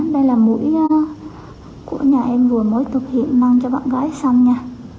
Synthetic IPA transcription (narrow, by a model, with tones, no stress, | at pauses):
nɗə˧jlaː˨˩mṵ˧˥j | kṵ˧˩əɲaː˨˩ʔɛ˧mvɨ˨˩əməː˨˦jt̪ʰɨ˨˩k̚hḭ˧˨ənmaː˧ŋt͡ɕɔ˧ɓa̰ː˧˨nɣaː˨˦jsa˧wŋ͡mɲaː˧